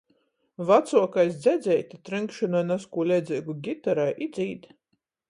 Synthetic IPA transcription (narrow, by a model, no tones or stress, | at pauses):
vat̪suɔkajsd̪zʲɛd̪zʲɛjt̪ʲit̪ɾɨŋkʃɨnɔjnaskuːlʲɛd̪zʲiːɡuɡʲit̪aɾajʔid̪zʲiːt̪